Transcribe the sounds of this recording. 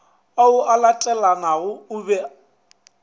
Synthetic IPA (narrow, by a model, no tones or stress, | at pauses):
aʊalatʼɛlanaɣʊʊbɛ